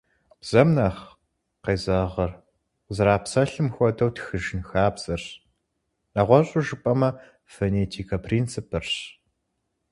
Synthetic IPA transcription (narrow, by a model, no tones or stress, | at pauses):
b̥z̥ɐmnɐχ | qeːzɐʁɐr | zɐɾaːpsɐɬɨmxʷɔdɐwtxɨʒɪnxaːbz̥ɐrɕ | nɐʁʷɔɕʼʊʒɨpʼɐmɐ | foneːtʰiːkʰɐpʰriːnt͡sʰɨpʰɨrɕ